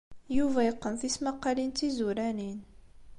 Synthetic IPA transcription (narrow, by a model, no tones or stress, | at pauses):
juvæjəqːənθismɑqːɑlint̪izuɾænin